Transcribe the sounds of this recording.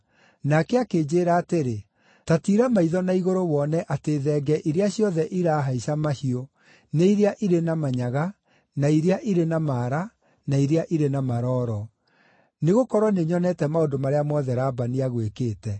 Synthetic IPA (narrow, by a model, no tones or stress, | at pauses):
nakɛakeːd͡ʑeːɾaːteɾe | tatiɾamaiðɔnaiɣoɾowɔnɛʔateːðɛːɡɛʔiɾeaɕjɔðɛʔiɾaɦaisamahio | neiɾeaʔiɾenamaɲaɣa | naiɾeaʔiɾenamaːɾa | naiɾeaʔiɾenamaɾɔːɾɔ | neɣokɔɾwɔneɲɔnɛtɛmaondomaɾeamɔðɛɾaːbaniaɣwekeːtɛ